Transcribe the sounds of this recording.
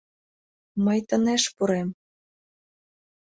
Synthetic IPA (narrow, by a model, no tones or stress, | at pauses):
məjt̪ə̆neʃpuɾem